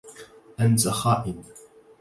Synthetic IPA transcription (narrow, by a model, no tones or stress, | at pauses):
ʔanzaxaːʔɪn